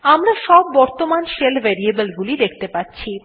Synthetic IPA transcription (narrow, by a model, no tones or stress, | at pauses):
amɾaʃɔbːɔɾt̪omanʃelvʱeɾiebəlɡulid̪ek̚ʰt̪epatːɕʰi